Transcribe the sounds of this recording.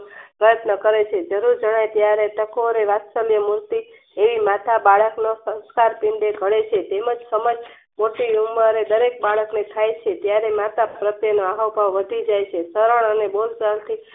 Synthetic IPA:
pɾəjət̪nəkəɾet͡ʃʰed͡ʒəɾuɾd͡ʒəɽ̃ajt̪jaɾeʈ̪əkoɾeʋat̪səlijəmuɾt̪i | eʋimat̪ʰabaɭəknosə̃w̃skaɾpɪɳɖ̪eɡʱəɭet͡ʃʰet̪eməd͡ʒsəməd͡ʒ | moʈiuməɾed̪əɾek̚baɭəknet̪ʰajt͡ʃʰet̪jaɾemat̪apɾət̪jənoaɦəwbʱaʋʋəd̪ʱid͡ʒajt͡ʃʰesəɾəɳənebolsalt̪ʰi

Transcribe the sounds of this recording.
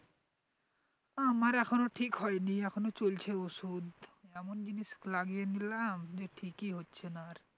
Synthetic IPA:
amaɾɛkʰonoʈʰikɦɔjniɛkʰonot͡ʃolt͡ʃʰeusud̪ɛmond͡ʒinisklaɡienilamd͡ʒeʈʰikiɦotːʃʰenaɾ

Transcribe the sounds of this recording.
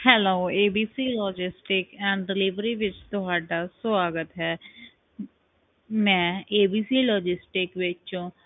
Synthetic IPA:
hɛloːeːbiːsiːlɔːd͡ʒɪsʈɪkɛ̃ːɳɖɖɪliʋɾiʋɪt͡ʃt̪ʊɦaːɖaːsʋaːɡət̪ɦɛː | mɛ̃ːeːbiːsiːlɔːd͡ʒɪsʈɪkʋɪt͡ʃũː

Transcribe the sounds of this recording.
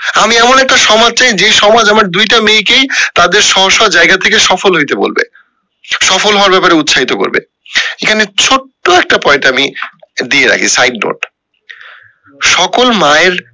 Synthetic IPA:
amiɛmonɛk̚ʈaʃɔmad͡ʑt͡ɕajd͡ʑeʃɔmad͡ʑamaɾd̪ujʈamejkejt̪ad̪eɾʃɔɦoʃːɔd͡ʑajɡat̪ʰekeʃɔfolɦojt̪ebo̰lbḛ | ʃɔfolɦɔoaɾbɛpaɾeut̪ːʃʰaɦit̪oko̰ɾbḛ | ekʰanet͡ɕʰoʈːoɛk̚ʈapɔenʈamid̪ieɾa̰kʰisajɖ̚no̰ʈ | ʃɔkolmaeɾ

